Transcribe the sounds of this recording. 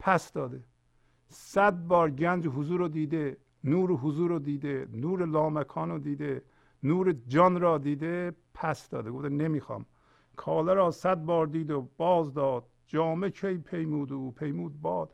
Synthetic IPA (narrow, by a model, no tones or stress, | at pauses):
pʰæsd̪ɒːd̪e | sæd̪̚bɒːɾɟænd͡ʒɦʊzuːɾod̪iːd̪e | nuːɾɦʊzuːɾod̪iːd̪enuːɾelɒːmækʰɒːnod̪iːd̪e | nuːɾed͡ʒɒnɾɒːd̪iːd̪epʰæsd̪ɒ̰ːd̪eɡofd̪enemiːxɑ̰m | kʰɒːlæɾɒːsæd̪̚bɒːɾd̪iːd̪ob̥ɒːzd̪ɒːd̪̥̚d͡ʒɒːmekʰejpʰejmuːd̪upʰejmuːd̪̚bɒːd̪̥